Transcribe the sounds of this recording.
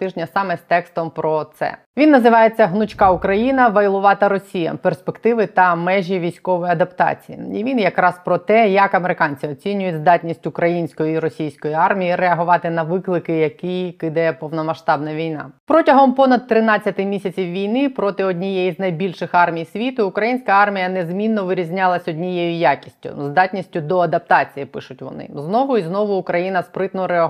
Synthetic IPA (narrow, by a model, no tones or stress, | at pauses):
t̪ɪʒnʲɐsɑmɛst̪ɛkst̪ɔmpɾɔt̪sɛ̰ | ʋʲinːɐzɪʋɑjet͡sʲːɐɦnʊt͡ʃkɑʊkɾɐjinɐʋɐjlˠʊʋɑt̪ɐɾɔsʲijɐ̰perspekt̪ɪʋɪt̪ɐmɛʒʲiʋʲijsʲkɔʋɔjiɐd̪ɐpt̪ɑ̰t͡sʲijḭiʋʲinjɐkɾɑspɾɔt̪ɛjɐkɐmeɾɪkɑnʲt͡sʲɪɔt͡sʲinʲːʊjʊtʲzd̪ɑtʲnʲisʲtʲʊkɾɐjinʲsʲkɔjʊiɾɔsʲijsʲkɔjiɑrmʲijiɾeɐɦʊʋɑt̪ɪnɐʋɪklˠɪkɪjɐkijkɪd̪ɛpɔʋnɔmɐʃt̪ɑbnɐʋʲijnɑ̰pɾɔtʲɐɦɔmpɔnɐd̪̚t̪ːɾɪnɑt͡sʲːɐt̪ɪmʲisʲɐt͡sʲiwʋʲijnɪpɾɔt̪ɪɔdʲnʲijɛiznɐjbʲilʲʃɪxɑrmʲijsʲʋʲit̪ʊʊkɾɐjinʲsʲkɐɑrmʲijɐnezmʲinːɔʋɪɾʲizʲnʲɑlˠɐsʲɔdʲnʲijɛjʊjakʲi̥sʲtʲʊ̰zd̪ɑtʲnʲisʲtʲʊd̪ɔɐd̪ɐp̚t̪ɑt͡sʲijipɪ̰ʃʊtʲʋɔ̰nɪ̰znɔʋʊiznɔʋʊʊkɾɐjinɐspɾɪt̪nɔɾeɐ